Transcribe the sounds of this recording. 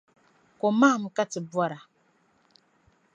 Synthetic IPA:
kɔ˨maː˦˨m̩˨ka˦tɪ˨bwɔ˦ɾa˨

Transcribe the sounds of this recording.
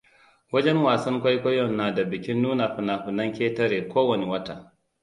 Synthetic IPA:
wɐ˦d͡ʒɛ˦nwaː˨sɐ˦ŋkʷa˦jkʷɔ˦jɔ˨nːaː˨da˨bɪ˨kʲɪ˦nːuː˦na˨ɸɪ˨na˨ɸʊ˨nɐ˦ŋkʲeː˦tɐ˦ɾeː˨kʷoː˦wɐ˨ne˨wɐ˦ta˨

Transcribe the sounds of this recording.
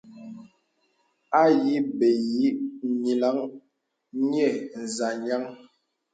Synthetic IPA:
a˦ji˦be˨ji˦ɲi˨la˨˦ŋ | ɲ˦ɛ˦˨n̩˨za˨ɲa˦ŋ

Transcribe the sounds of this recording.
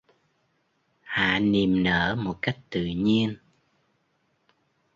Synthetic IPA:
ha̰ː˧˨ni˨˩mnəː˧˥mo˨˩t̚ka˦˥jk̟̚t̪ɨ̰˧˨ɲi˧ən

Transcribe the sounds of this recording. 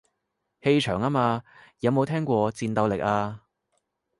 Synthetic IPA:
he˧jt͡ʃʰœː˨˩ŋaː˥maː˧jɐ˨˧wmo˨˧wt̪ʰɛː˥ŋkʷɔː˧t͡siː˧nt̪ɐ˧wlɪ˨k̚aː˧

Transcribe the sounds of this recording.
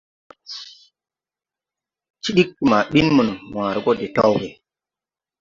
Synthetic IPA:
t͡ʃi˦ɗi˦kːi˨ma˨ɓi˦nmu˨n˨mwãː˨ɾɡo˦de˨to˦wɡe˨

